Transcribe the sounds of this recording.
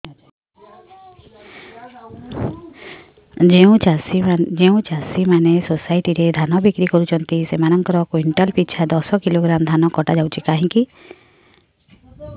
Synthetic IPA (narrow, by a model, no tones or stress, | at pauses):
eũasid͡ʒeũt͡ʃasimanesosajʈiɾed̪ʱanɔbikɾikɔɾut͡ʃʰɔnt̪isemanɔŋkɔɾɔkwiɳʈɔlpit͡ʃʰad̪ɔsɔkiloɡɾamd̪ʱanɔkɔʈad͡ʒawt͡ʃʰikaɦĩki